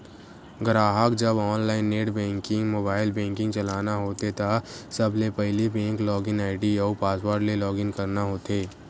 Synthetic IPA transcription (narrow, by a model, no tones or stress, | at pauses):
ɡɾaːɦəkd͡ʒɐbɔːnlaːɪnːeːʈbɛ̃ːŋkɪ̃ŋɡmoːbaːɪlbɛ̃ːŋkɪ̃ŋɡt͡ʃɐlaːnaɦoːt̪et̪asɐblepɛɦlibɛ̃ːŋklɔːɡɪnaːɪʈiɔːpaːswaːɾɖlelɔːɡɪ̃ŋkɐɾnaɦoːt̪eː